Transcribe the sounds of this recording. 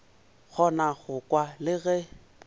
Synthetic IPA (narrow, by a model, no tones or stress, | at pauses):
ɣʰɔnaɣʊkʼwalɪɣɛ